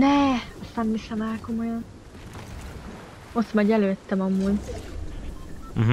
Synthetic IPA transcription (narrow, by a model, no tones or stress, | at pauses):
nɛɒst̪aːnːisɛmaːlko̞mo̞jɒn | o̞t̪mɒɟɛløːt̪ːɛmɒmːuːɟ | ɦ